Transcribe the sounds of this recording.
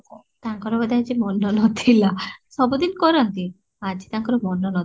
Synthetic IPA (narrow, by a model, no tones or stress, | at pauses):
t̪aŋkɔɾɔbad̪ɛad͡ʑimɔnːɔnɔt̪ʰilasɔbɔd̪inkɔɾant̪i | ad͡ʑit̪aŋkɔɾɔmɔnːɔnɔt̪